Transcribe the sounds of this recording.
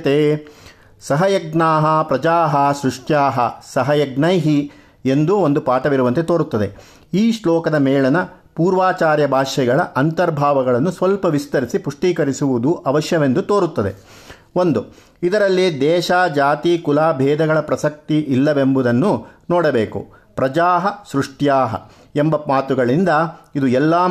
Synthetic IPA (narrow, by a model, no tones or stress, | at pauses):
t̪e | sɐɦɐjɐɡnaːɦɐpɾɐd͡ʒaːɦɐsɾuʂʈjaːɦɐsɐɦɐjɐɡnɐjɦi | e̞nd̪uond̪upaːʈɐʋiɾuʋɐnt̪et̪oːɾut̪ːɐd̪e̞ | iːʂlɔːkɐd̪ɐmɛːɭɐnɐ | puːɾʋaːt͡ʃaːɾjɐbʱaːʃɛɡɐɭɐ̰ʔɐnt̪ɐɾbʱaːʋɐɡɐɭɐnːusʋɐlpɐʋist̪ɐɾisipuʂʈiːkɐɾisuʋud̪uʔɐʋɐʃjɐʋe̞nd̪ut̪oːɾut̪ːɐd̪e̞̰ | o̞nd̪u | id̪ɐɾɐlːid̪ɛːʃaːd͡ʒaːt̪iːkulaːbʱɛːd̪ɐɡɐɭɐpɾɐsɐk̚t̪iʔilːɐʋembud̪ɐnːunɔːɽɐbeːkṵpɾɐd͡ʒaːɦɐsɾuʂʈjaːɦɐ̰ | embɐmaːt̪uɡɐɭind̪ɐid̪uɛlːaː